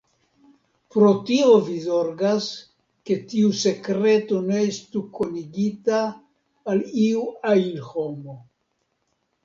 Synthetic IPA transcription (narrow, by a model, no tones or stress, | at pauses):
pɾo̞tio̞vizo̞ɾɡas | ke̞tiuse̞kɾe̞to̞ne̞estuko̞niɡitaː | liuajnho̞mo̞